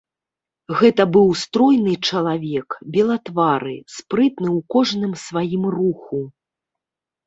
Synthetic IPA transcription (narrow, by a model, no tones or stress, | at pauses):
ɣɛt̪ɐbɨwst̪ɾɔjnɨt͡ʂɐlˠavʲɛkbʲɛlˠɐt̪vaɾɨ̰spɾɨt̪nɨwkɔʐnɨmsvajimruxu